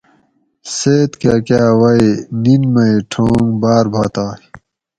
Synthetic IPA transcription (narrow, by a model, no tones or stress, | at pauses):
seːt̪kakjaːwɐininmɐiʈʰoːŋbaːɾbʱaːt̪aː